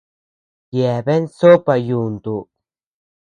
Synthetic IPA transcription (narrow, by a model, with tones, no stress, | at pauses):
je˨βe˦nso˦pa˧juː˨nd̪u˨